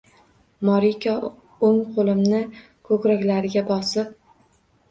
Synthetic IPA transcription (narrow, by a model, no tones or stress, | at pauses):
mɒɾikʲʰɒ | oŋqʰolˠɪmnɪ | kʰɵkɾakʲlaɾɪɡʲabɒsɪp̚